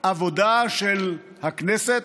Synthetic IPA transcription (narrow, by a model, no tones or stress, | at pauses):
ʔavod̪aʃel | hakneset̪